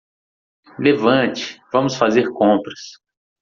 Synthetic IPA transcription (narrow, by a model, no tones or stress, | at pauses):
levɐ̃t͡ʃɪ̥vɐ̃mʊsfazeɾkõpɾɐs